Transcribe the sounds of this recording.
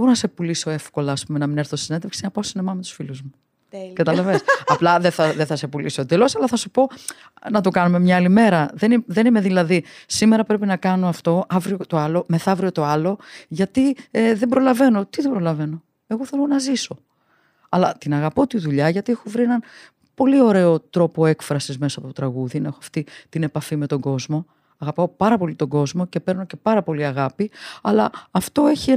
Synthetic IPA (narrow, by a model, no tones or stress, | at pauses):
boɾonɐse̞puliso̞e̞fko̞lɐːspume̞nɐmineɾθossine̞nd̪eksinɐpɐosinemɐme̞t̪u̥sfiluzmuu | kɐt̪ɐlɐve̞sɐplɐðeθɐðeθɐse̞pulisod̪elosɐlɐθɐsupo̞ | nɐt̪o̞kɐnume̞mɲɐɐlime̞ɾɐðeniðe̞nime̞ðilɐðisime̞ɾɐpɾe̞pinɐkɐno̞ɐft̪o̞ɐvɾiot̪o̞ɐlo̞me̞θɐvɾio̞t̪o̞ɐlo̞ʝɐt̪iðe̞bɾo̞lɐve̞no̞t̪iðebɾo̞lɐve̞no | e̞ɣoθe̞lonɐziso̞ | ɐlɐt̪inɐɣɐpo̞t̪iðuʎɐʝɐt̪ie̞xo̞vɾie̞nɐn | po̞lio̞ɾe̞o̞t̪ɾo̞po̞e̞kfɾɐsizmesɐːpo̞t̪ot̪ɾɐɣuðinɐe̞xoɐft̪it̪ine̞pɐfimet̪o̞ɡo̞zmo̞ | ɐɣɐpɐopɐɾɐpo̞lit̪o̞ɡo̞zmo̞ce̞pe̞ɾno̞ce̞pɐɾɐpo̞liɐɣɐpiɐlɐːft̪o̞e̞çie